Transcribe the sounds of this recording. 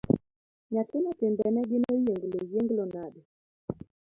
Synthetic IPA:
ɲatɪɲɔtɪmbɛnɛɡɪnɔjeŋɡlojeŋɡlonadɛ

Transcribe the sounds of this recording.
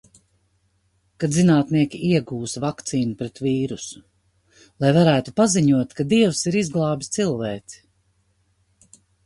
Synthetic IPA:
kad̪zinaːt̪niɛkʲiʔiɛɡuːsvakt̪siːnupɾɛt̪viːɾusu̥ | lˠajvaɾæːt̪upaziɲuɔt̪kad̪iɛwsiɾizɡlˠɑːbist̪silˠvɛːt̪si̥

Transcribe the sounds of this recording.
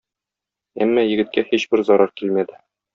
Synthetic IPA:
æ̰mːɑjɘ̆ɡɘ̆t̪̚kæhiɕbɘɾzɒɾɑɾkilmæd̪ɘ

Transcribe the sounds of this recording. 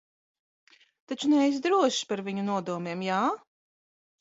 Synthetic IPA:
t̪at͡ʃunɛjs̬d̪ɾuɔʃpaɾvʲiɲunuɔd̪uɔmeɛmjaː

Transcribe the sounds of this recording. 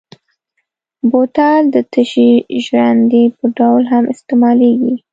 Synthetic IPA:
bot̪ɑld̪ət̪əʃiʒɾand̪epəɖawlɦamɪst̪emɑleɡi

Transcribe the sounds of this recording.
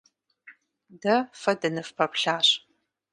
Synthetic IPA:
dɐfɐdɐnɨfpʰɐpʷɬaːɕ

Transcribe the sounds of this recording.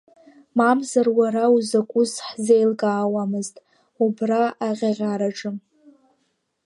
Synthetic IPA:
mamzarwaɾauzakʷʼʊsħzejlɡʼaːwamɨztʼ | ubraʔaʁʲaʁʲaɾaʈ͡ʂʼɨm

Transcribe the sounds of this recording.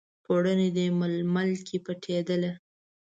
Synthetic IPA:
poɽəned̪eməlmalkʰepəʈʰed̪əle

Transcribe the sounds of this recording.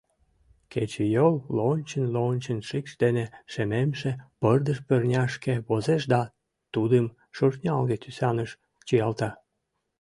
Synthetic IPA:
ket͡ɕejolːonʲt͡ɕənlonʲt͡ɕənʃikʃd̪eneʃememʃepərd̪əʃpørnʲɑʃkeβozeʃd̪ɑ | t̪ud̪əm | ʃurnʲɑlɣet̪ysɑnəʃ | t͡ɕijɑlt̪ɑ

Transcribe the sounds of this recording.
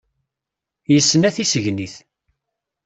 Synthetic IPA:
jəsːnæθisəʝniθ

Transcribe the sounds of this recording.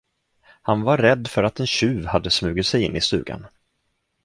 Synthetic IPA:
hanvaɾɾɛd̪ːfœɾat̪ɛnɕʉ̟ːvhad̪ːəsmʉ̟ːɡɪt̪sɛjɪnːɪst̪ʉ̟ːɡa̰n

